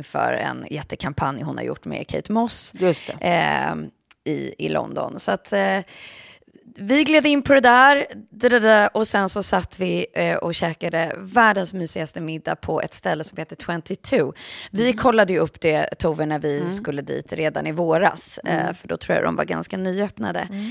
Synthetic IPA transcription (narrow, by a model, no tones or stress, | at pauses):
nfœ̰ːɾɛ̰njɛt̪ːəkʰampʰanjhʊnha̰ɾjʊ̰ʈːmɛ̰kʰɛ̰jt̪mɔsjɵst̪ɛ | ɪ̰ɪlʔɔ̰nd̪ɔ̰nsɔat̪ | vɪɡleːd̪əɪnːpʰɔd̪ɛd̪æɾd̪ɛdɛd̪æʔɔsɛnsɔsat̪ːvɪʔɔɕɛːkad̪əvæːɖənsmyːsɪɡast̪əmɪd̪ːa̰pʰɔɛ̰t̪st̪ɛlːəsɔmheːt̪ːət̪ʰwɛnt̪ɪt̪ʰʉːvɪkʰɔlːad̪əjɵɵpːd̪ɛt̪ʰuːvəɳæɾvɪskɵlːəd̪ḭːt̪ɾeːd̪anɪvoːɾa̰sfœɖɔt̪ʰɾuːja̰d̪ɔ̰mva̰ɾɡa̰nskanyːœpna̰d̪ə̰